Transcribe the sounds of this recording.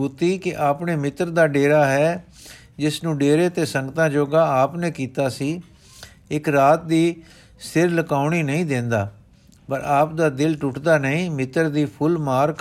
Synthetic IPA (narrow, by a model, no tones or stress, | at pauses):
uːt̪iːkɪʔaːpneːmɪt̪ɾd̪aːɖeːɾaːɦɛː | d͡ʒɪsnũːɖeːɾeːt̪eːsəŋɡt̪ãːd͡ʒoːɡaːaːpnẽːkiːt̪aːsiː | ɪkɾaːt̪̚d̪iː | sɪɾləkaːʊɳ̃iːnəĩːd̪ẽːnd̪aː | pəɾaːp̚d̪aːd̪ɪlʈʊʈd̪aːnəĩːmɪt̪ːəɾd̪iːpʰʊlmaːɾk